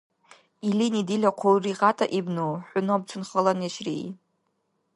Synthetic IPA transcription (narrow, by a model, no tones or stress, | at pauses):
ilinidilʲaqʷʰowriqatʼaʔibnowħʷʊnob̚t͡ʃʷʰʊnχəlanjaʃrḭ